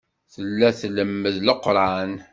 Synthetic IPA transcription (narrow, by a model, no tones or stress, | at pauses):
θəlːæθləmːəðləqːɾˤɑn